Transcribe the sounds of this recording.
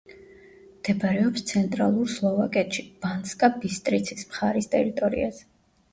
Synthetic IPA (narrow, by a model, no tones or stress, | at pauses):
md̪̥ɛbaɾɛɔpst̪sʰɛnt̪ʼɾa̰lˠuɾslˠɔvakʼɛt̪ʃib̥anskʼabist̪ʼɾit̪sʰismχaɾist̪ʼɛ̰ɾit̪ʼɔɾḭa̰z̥ɛ